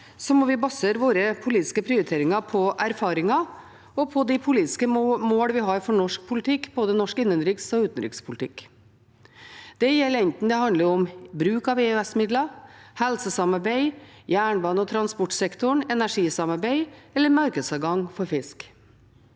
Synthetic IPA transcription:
sɔmɔʋɪbɑseːɾʋoːɾəpʰʊliːt̪ɪ̥skəpʰɾɪʊɾɪt̪ʰeːɾɪŋɑpʰɔʔæɾfɑːɾɪŋɑ | ɔpʰɔd̪ɪpʰʊliːt̪ɪ̥skəmoːɽəʋɪɦɑɾfɔɳɔʂk̚pʰʊlt̪ʰɪkːboːd̪ənɔʂkɪnːənɾɪksɔʉːt̪n̩ɾɪ̰kspʰʊlt̪ɪkː | d̪̥ɛjɛlːəɾɛnt̪n̩d̪ɛhɑnd̪ləɾɔmbɾʉːkɑʋeːøɛsmɪd̪lɑhɛlsəsɑmɑɾbæɪjæːɳbɑːnəɔt̪ʰɾɑnspɔʈsɛkt̪ʊɳɛnæʂiːsɑmɑɾbæɪɛlːəɾmɑɾkəd̪sɑːʋɡɑŋfɔɾfɪsk

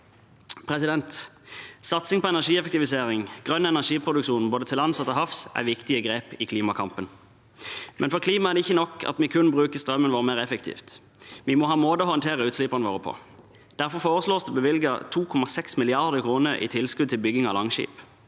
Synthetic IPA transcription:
pʰʁɛsɪd̪ɛnt̪ | sɑt̪sɪŋpʰɔɛnæʂiːɛfək̚t̪ɪʋɪseːʁɪŋɡ̥ʁœnːɛnæʃiːpʰʁʊd̪ʉkʃuːnn̩boːd̪ət̪ʰɪlɑnsɑt̪ːɔhɑfsæ̰ʋɪkt̪ɪəɡɾeːpɪkʰliːmɑkʰɑmpən | mʔɛnfɔʁkliːmɑæʁd̪ɛɪçːənɔkːɑ̰t̪mɪkʰʉnbʁʉːkəst̪ʁœmːənʋoːʁəmeːʁɛfəkt̪ʰḭːft̪ | ʋɪmɔɦɑːmoːd̪əhɔənt̪ʰeːʁəʉːt̪slɪpɑʁnəʋoːʁəpʰɔ̰ | d̪̥æʁfɔʁfoːʁəsloːsd̪ɛbəʋɪlɡət̪ʰuːkʰɔmɑsɛksmɪlɪɑʁd̪əkʰʁuːnəʁḭːt̪ʰɪlskʉd̪̚t̪ʰɪlbʏɡɪŋɑlɑŋʃḭːp

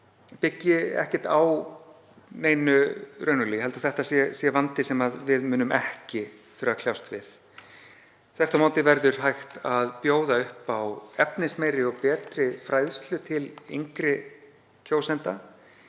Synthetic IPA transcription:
pɪcːɪɛ̰hcɪ̥ɾ̥t̪aw | neːjnʏɾœːnʏliɦɛlaθɛht̪asjɛsjɛvant̪ɪsɛmaðvɪðmʏːnʏmɛhcɪθʏɾakʰljawst̪vɪθ | θɛht̪amaːwt̪ɪvɛɾðʏɾ̥ɦajxt̪aðpjoːwðaʏhpawɛpnɪsmeːjɾɪɔɣpɛːt̪ɾɪfɾajðst̪lʏt̪ʰɪlḭŋkɾɪ | cʰoːwsɛnt̪a

